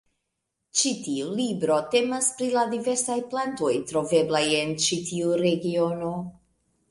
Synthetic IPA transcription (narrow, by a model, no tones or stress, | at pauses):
t͡ʃitiulibɾo̞te̞maspɾiladive̞ɾsajplanto̞jtɾo̞ve̞blaje̞nt͡ʃitiuɾe̞ɡio̞no̞